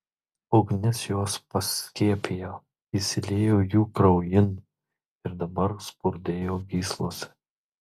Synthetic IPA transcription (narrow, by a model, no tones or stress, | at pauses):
ɔʊɡnʲɛsjuɔspɐsʲkʲiɛpʲejoː | isʲɪlʲeːjoːjuːkɾɐʊjɪn | ɪɾd̪ɐbɐɾspʊɾʲd̪ʲeːjoːɡʲiːslˠoːsʲɛ̥